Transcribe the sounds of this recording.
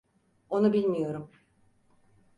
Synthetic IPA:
o̞nubilʲmijo̞ɾum

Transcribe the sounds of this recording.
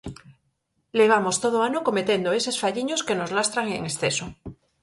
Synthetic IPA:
leβ̞amo̞st̪oð̞oanoko̞me̞t̪e̞nd̪oe̞se̞sfaʎiɲo̞ske̞no̞zlast̪ɾaŋḛŋesθe̞so

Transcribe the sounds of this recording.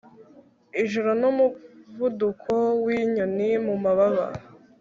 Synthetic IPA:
iʒuɾonomuvudukʰowiɲonimumaβaβa̰

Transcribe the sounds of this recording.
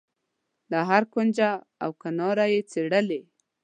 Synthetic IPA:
d̪aɦaɾkond͡ʒa | a̰wkanɑɾajet͡seɽəle

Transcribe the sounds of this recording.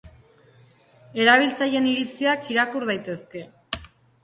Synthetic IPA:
e̞ɾaβilt͡saje̞niɾit͡siakiɾakuɾð̞ajt̪e̞ske̞

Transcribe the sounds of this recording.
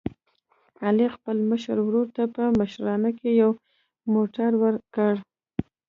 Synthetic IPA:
alexpəlməʃə̰ɾwɾoɾt̪apəməʃɾɑnakejaw | moʈaɾwəɾkəɽ

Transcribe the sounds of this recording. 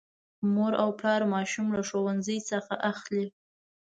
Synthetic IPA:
moɾawplɑɾmɑʃumlaʃowanzəjsəxaʔaxli

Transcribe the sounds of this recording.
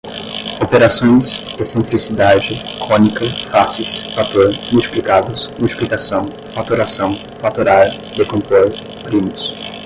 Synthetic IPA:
opeɾasõj̃s | esẽnt̪ɾisid̪ad͡ʒɪkõnikɐfasɪsfat̪oɾmuwt͡ʃi̥plikad̪ʊsmuwt͡ʃi̥plikasɐ̃w̃ | fat̪oɾasɐ̃w̃ | fat̪oɾaɾ | d̪ekõnt̪oɾ | pɾĩmʊs

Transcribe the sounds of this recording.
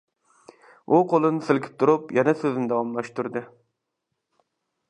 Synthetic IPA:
ʔuqʰolˠɨnɪsɪlkʲʰɪ̥p̚t̪ʰuɾupjɛnɛsøznɪd̪ɑwɑmlˠɑʃt̪uɾd̪ɨ

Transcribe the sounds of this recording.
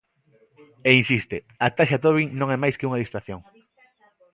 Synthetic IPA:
einsist̪e | at̪aʃat̪oβiŋnõŋɛmajskɪuŋɐðist̪ɾaθjoŋ

